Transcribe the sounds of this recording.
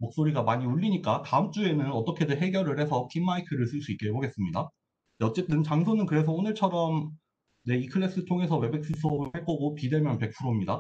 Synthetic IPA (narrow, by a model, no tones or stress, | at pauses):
mok̚s͈oɾiɡamaɲioʎːiɲik͈ataɯmt͡ɕ͈ue̞nɯnʌt͈ʌkʰe̞deɦe̞ɡjʌɾɯɭhe̞sʰʌkʰimːaikʰɯɾɯɭs͈ɯɭs͈uik͈eeboɡe̞s͈ɯmɲida | eʌt͡ɕ͈e̞t͈ɯnt͡ɕaŋsʰonɯnkɯɾe̞s̬ʰʌonɯɭt͡ɕʰʌɾʌm | ne̞ikʰɯɾːes͈ɯtʰoŋe̞sʰʌwe̞be̞k̚s͈ɯsʰoɯhaɭk͈ʌɡopide̞mjʌnpe̞k̚pʰuɾomɲida